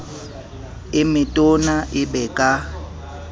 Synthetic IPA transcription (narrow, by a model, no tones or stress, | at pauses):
ɪmɪtʼonaʔɪbɛkʼa